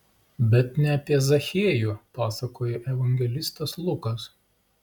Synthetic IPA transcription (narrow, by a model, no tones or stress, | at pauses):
bʲɛt̪nʲɛɐpʲiɛzɐxʲeɛjuːpɑːsɐkoːjɛʔɛʋɐŋʲɡʲɛlʲɪst̪ɐslˠʊkɐs